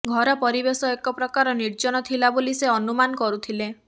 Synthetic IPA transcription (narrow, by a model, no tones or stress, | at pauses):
ɡʱɔɾɔpɔɾibesɔekɔpɾɔkaɾɔniɾd͡ʒɔñɔt̪ʰilaboliseɔnumanɔkɔɾut̪ʰile